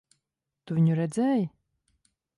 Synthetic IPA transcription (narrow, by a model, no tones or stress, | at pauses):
t̪uvʲiɲuɾɛd̪zɛːjɪ